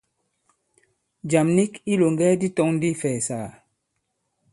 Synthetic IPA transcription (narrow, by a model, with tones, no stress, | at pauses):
d͡ʒa˨mni˦ki˦lo˨ŋɡɛ˦di˦tɔ˦ŋn˦di˦fɛː˨saː˨